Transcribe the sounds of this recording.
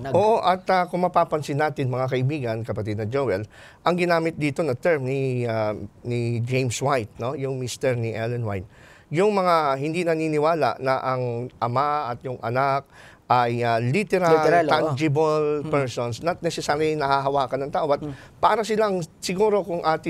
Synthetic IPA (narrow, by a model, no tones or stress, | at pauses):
ʔoːʔoʔɐt̪akʊŋmɐpaːpɐnsɪnːaːt̪ɪnmɐŋakɐʔɪbiːɡɐnkɐpɐt̪id̪nɐd͡ʒowɛl | ʔɐŋɡɪnaːmɪt̪̚d̪iːt̪o̞nɐt̪ɛɹmnɪanɪd͡ʒejmswajt̪̚no̞jʊŋmist̪ɛɹnɪʔɛlɛnwa̰jt̪̚ | jʊŋmɐŋahɪnd̪inɐniːnɪwaːla̰ʔnɐʔɐŋʔɐmaʔɐt̪jʊŋʔɐ̰nak̚ | ʔɐjalit̪ɛɾaland͡ʒɪbɐlpɛɹsonsnɐt̪̚nɛsɛsaːɾjɪŋnɐhaɦɐwaːkɐnɐŋt̪aːʔoɐt̪̚ | paːɾɐsɪlaŋsɪɡuːɾo̞kʊŋʔaːt̪ɪ